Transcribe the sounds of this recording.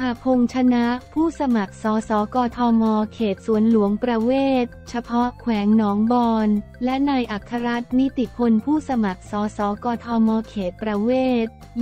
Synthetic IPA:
pʰaː˧pʰo˧ŋt͡ɕʰa˧na˦˥ʔpʰuː˥˩sa˧ma˨˩k̚sɔː˩˦sɔː˩˦kɔː˧t̪ʰɔː˧mɔː˧kʰeː˨˩t̪̚su˨˩˦ənlu˩˦əŋpɾa˧weː˥˩t̪̚t͡ɕʰa˧pʰɔ˦˥kʰwɛː˩˦ŋnɔː˩˦ŋbɔː˧nlɛ˦˥ʔnaː˧jʔa˨˩kʰːa˧ɾa˦˥t̪̚mi˦˥t̪i˨˩pʰo˧npʰuː˥˩sa˧ma˨˩k̚sɔː˩˦sɔː˩˦kɔː˧t̪ʰɔː˧mɔː˧kʰeː˨˩t̪̚pɾa˧weː˥˩t̪̚

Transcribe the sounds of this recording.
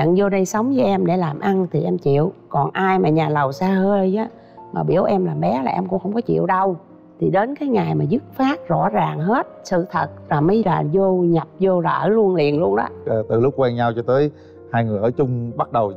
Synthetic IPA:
ɲə̰˧˨nzo˧ɗə˧jsə˨˦wŋ͡mvəː˨˦ʔɛ˧mɗe˧˩laː˨˩mʔa˧nt̪ʰi˨˩ʔɛ˧mt͡ɕḭ˧˨əwkɔ˨˩nʔaː˧jmaː˨˩ɲaː˨˩lə˨˩wsaː˧həː˧jzaː˨˦ | maː˨˩ɓi˧˩əwʔɛ˧mlaː˨˩mɓɛ˨˦laː˨˩ʔɛ˧mkʊ̰˧˥ŋ͡mxə˧wŋ͡mkɔ˨˦t͡ɕḭ˧˨əwɗə˧w | t̪ʰi˨˩ɗe˨˦nkaː˨˦jŋa˨˩jmaː˨˩zɨ˦˥t̚faː˦˥t̚zɔ̰˧˥zaː˨˩ŋɦe˦˥t̚sɨ̰˧˨t̪ʰə˨˩t̚vaː˨˩mə˨˦jla̰ː˨˩zo˧ɲə˨˩p̚zo˧laː˨˩ʔəː˧˩lu˧ənlḭ˨ənlu˧ənɗɔ̰ː˨˦˨t̪ɨ˨˩lʊ˦˥k͡p̚kwɛː˧ŋɲa˧wt͡ɕɔ˧t̪əː˨˦j | haː˧jŋɨ˨˩əjʔəː˧˩˦t͡ɕʊ˧ŋ͡mɓa˦˥t̚ɗə˨˩w

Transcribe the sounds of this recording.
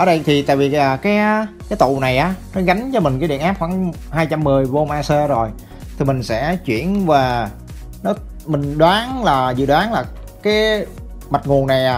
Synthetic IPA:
ʔəː˧˩ɗə˧jt̪ʰi˨˩t̪a̰ː˧˨vi˨˩aː˨˩kaː˨˦jkaː˨˦jt̪ṵ˧˨na˨˩jʔaː˨˦nɔ˨˦ɣa˨˦jŋ̟t͡ɕɔ˧mï˨˩ŋ̟kːaː˨˦ɗḭ˧˨ənʔaː˦˥p̚xwa̰ː˧˥˩ŋ | haː˧jt͡ɕa˧mːɨ˨˩əjvo˧mʔaː˧səː˧zo˨˩j | t̪ʰi˨˩mï˨˩ŋ̟sɛ̰˧˥t͡ɕwḭ˧˩˨ənvaː˨˩ | nɔ˨˦ | mï˨˩ŋ̟ɗwaː˨˦ŋlaː˨˩zɨ̰˧˨ɗwaː˨˦ŋlaː˨˩ | kaː˨˦j | ma˨˩t̚ŋu˨˩ənːa˨˩jaː˨˩

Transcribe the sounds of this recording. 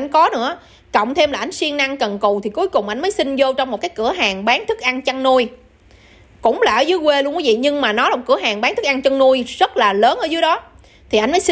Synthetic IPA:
j̟kɔ˨˦nɨ̰˧˥ə | kə̰˧˨wŋ͡mt̪ʰe˧mlaː˨˩ʔa˧jŋ̟swi˧əŋna˧ŋkə˨˩nku˨˩wt̪ʰi˨˩ku˨˦jkʊ˨˩ŋ͡mʔa˧jŋ̟məː˨˦jsï˧ŋ̟zo˧wt͡ɕɔ˧wŋ͡mmo˨˩t̚kaː˨˦jkɨ˧˩əɦaː˨˩ŋɓaː˨˦ŋt̪ʰɨ˦˥k̚ʔa˧ŋt͡ɕə˧ŋnu˧j | kʊ̰˧˥ŋ͡mlaː˨˩ʔəː˧˩zɨ˨˦jkwe˧lu˧ŋkwi˨˦vḭ˧˨ɲɨ˧ŋmaː˨˩nɔ˨˦la˨˩˨kɨ˧˩əɦaː˨˩ŋɓa˨˦ŋt̪ʰɨ˦˥k̚ŋt͡ɕə˧ŋnu˧jzə˦˥t̚laː˨˩ləː˨˦nʔəː˧˩zɨː˨˦əjɗɔ˨˦ | t̪ʰi˨˩ʔa˧jŋ̟məː˨˦j

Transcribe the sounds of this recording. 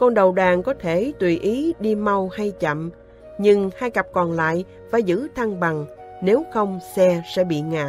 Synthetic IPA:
kɔ˧nɗə˨˩wɗaː˨˩ŋkɔ˨˦t̪ʰe˧˩t̪wi˨˩ʔi˨˦ɗi˧ma˧wha˧jt͡ɕə̰˧˨m | ɲɨ˧ŋhaː˧jka˨˩p̚kɔ˨˩nla̰ː˧˨j | faː˧˩jzɨ̰˧˥t̪ʰa˧ŋɓa˨˩ŋne˨˦wxə˧wŋ͡msɛ˧sɛ̰˧˥ɓḭ˧˨ŋa̰ː˧˨

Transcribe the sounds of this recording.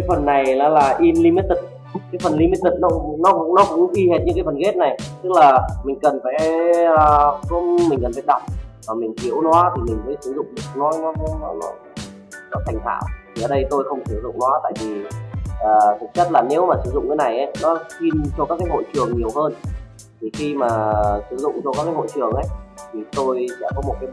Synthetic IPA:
kaː˨˦jfə˨˩nːa˨˩jlaː˨˦laː˨˩ʔi˧mli˧mi˦˥t̚t̪i˨˩k̚ | kaː˨˦jfə˨˩nli˧mi˦˥t̚t̪i˨˩k̚nɔ˨˦nɔ˨˦kʊ̰˧˥ŋ͡mnɔ˨˦kʊ̰˧˥ŋ͡mʔi˧he˨˩t̚ɲɨ̰˧˥kaː˨˦fə˨˩nɣe˦˥t̚na˨˩jt̪ɨ˦˥k̚laː˨˩mï˨˩ŋ̟kə˨˩nfa̰ː˧˥˧ | ku˧˦mï˨˩ŋ̟kə˨˩nfa̰ː˧˨˦ɗa̰˨˧˩ŋ͡m̚vaː˨˩mï˨˩ŋ̟t̪ʰi˧˦əwnɔ˨˦t̪ʰi˨˩mï˨˩ŋ̟məː˨˦jsɨ˨˧˦zʊ̰˧˨ŋ͡mɗɨ˨˩ək̚nɔ˨˦nɔ˨˦˨nɔ˨˦nɔ̰˨˦ | nɔ˨˦t̪ʰa˨˩ŋ̟t̪ʰa̰ː˧˩w̪ʰi˨ʔəː˨˩ɗə˧jt̪o˧jxə˧wŋ͡mt̪ʰɨ˨˧˩əwzʊ̰˧˨ŋ͡mnɔ˨˦t̪a̰ː˧˨jvi˨˩ʔəː˨˩kʊ˨˩t͡ɕə˦˥t̚laː˨˩ne˨˦wmaː˨˩sɨ˧˦zʊ̰˧˨ŋ͡mkaː˨˦jna˨˩jʔə˨˦jnɔ˨˦si˧nt͡ɕɔ˧kaː˦˥kaː˨˦jɦo̰˧˨jt͡ɕɨ˨˩əŋɲi˨˩əwhəː˧n | t̪ʰi˨˩xi˧maː˨˩sɨ˨˧˦zʊ̰˧˨ŋ͡mt͡ɕɔ˧kaː˦˥kaː˨˦ɦo̰˧˨jt͡ɕɨ˨˩əŋʔə˨˦jt̪ʰi˨˩t̪o˧jsɛ̰˧˥kɔ˨˦mo˨˩t̚kaː˨˦

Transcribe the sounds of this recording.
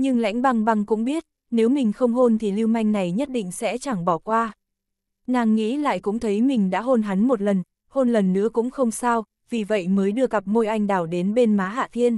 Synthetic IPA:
ɲɨ˧ŋla̰˧˥jŋ̟ɓa˧ŋɓa˧ŋkʊ̰˧˥ŋ͡mɓi˦˥ət̚ | ne˨˦wmï˨˩ŋ̟xə˧wŋ͡mɦo˧nt̪ʰi˨˩li˧wma˧jŋ̟na˨˩jɲə˦˥t̚ɗḭ̈˧˨ŋ̟sɛ̰˧˥t͡ɕaː˧˩ŋɓɔ˧˩kwaː˧ | naː˨˩ŋːḭ˧˥la̰ː˧˨jkʊ̰˧˥ŋ͡mt̪ʰə˨˦jmï˨˩ŋ̟ɗa̰ː˧˥ɦo˧nɦa˨˦nmo˨˩t̬̚lə˨˩n | ho˧nlə˨˩nːɨ̰˧˥əkʊ̰˧˥ŋ͡mxə˧wŋ͡msaː˧w | vi˨˩və̰˧˨jməː˨˦jɗɨ˧əɣa˨˩p̚mo˧jʔa˧jŋ̟ɗaː˧˩wɗe˨˦nɓe˧nmaː˨˦ɦa̰ː˧˨t̪ʰi˧ən

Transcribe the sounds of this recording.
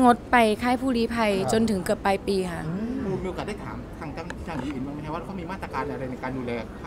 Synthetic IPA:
ŋo˦˥t̪̚pa˧jkʰaː˥˩jpʰuː˥˩ɾiː˦˥pʰa˧jt͡ɕo˧nt̪ʰɯ˩˦ŋkɤ˨˩əpːa˧jpiː˧kʰa˥˩ʔmuː˧nmiː˧o˧a˨˩da˥˩t̪ʰa̰ː˩˦mkʰa˧˩ŋt͡ɕa˧n˧˩tʰaː˧˩iː˨˦ʔiː˨˩nma˧nʰ˧˩waː˥˩˧kʰa˥˩miː˧ma˥˩t̪ɾa˧kaː˧nʔa˧ɾa˧jna˧jkaː˧nduː˧lɛː˧˩k̚

